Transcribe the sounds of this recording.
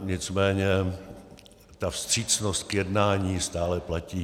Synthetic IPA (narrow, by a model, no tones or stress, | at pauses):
ɲɪt͡smɛːɲɛ | t̪afst̪r̝̥iːt͡snost̪̚kjɛdnaːɲiːst̪aːlɛplaciː